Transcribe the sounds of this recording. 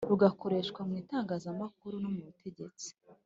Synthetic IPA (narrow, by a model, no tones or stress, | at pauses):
ɾuɡako̞ɾe̞ʃkwamŋiːtaːŋɡaːzamak̚uɾunumuutʰe̞ɟe̞t͡si̥